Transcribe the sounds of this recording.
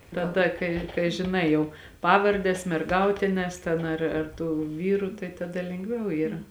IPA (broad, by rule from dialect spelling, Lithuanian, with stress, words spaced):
tɐˈdɐ ˈkɐɪ kɐɪ ʒʲɪˈnɐɪ jɛʊ ˈpɑːʋɐrʲdʲɛs mʲɛrˈɡɐʊtʲɪnʲɛs tʲɛn ˈɐr ɐr ˈtuː ˈʋʲiːruː tɐɪ tɐˈdɐ lʲɛŋɡˈʋʲɛʊ ˈiːrɐ